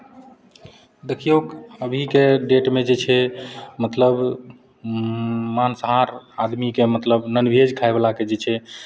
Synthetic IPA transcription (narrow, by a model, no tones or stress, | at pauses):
d̪ekʰijoɡəbʱikeɖeʈmed͡ʒet͡ʃʰɛmət̪ləb | mansəɦaɾad̪mikemət̪ləbnənbʱed͡ʒkʰaeblaked͡ʒet͡ʃʰɛ